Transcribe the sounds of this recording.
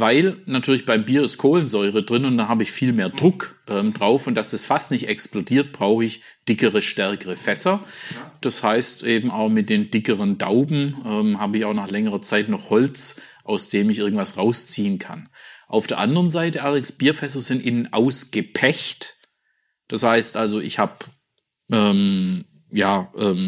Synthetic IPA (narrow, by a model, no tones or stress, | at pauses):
vaɪlnatʰyːɐlɪçb̥aɪmbiːɐɪstkʰoːlənzɔʏʁədʁɪnʊntd̥anhaːbəɪçfiːlmeːɐdʁʊkʔɛːmdʁaʊfʊntd̥asd̥asfastnɪçtɛksplodiːɐt̚b̥ʁaʊxəɪç | d̥ɪkəʁəʃtɛɐkəʁəfɛsɐd̥ashaɪstʔeːbm̩aʊxmɪt̚d̥eːnd̥ɪkəʁənda̰ʊbm̩ʔɛːmhaːbəɪçaʊxnaːχlɛŋəʁɐt͡saɪtnɔχhɔlt͡sʔaʊsd̥eːmɪçʔɪɐɡŋ̩tv̥asʁaʊst͡siːənkʰa̰nʔa̰ʊfd̥eːɐʔandəʁənzaɪtəalɐdɪŋsb̥iːɐfɛs̬ɐzɪntʔɪnənʔa̰ʊsɡ̥əpʰɛçt | d̥ashaɪstʔalzoɪ̰çhaːp | ʔɛːm | jaːʔɛːm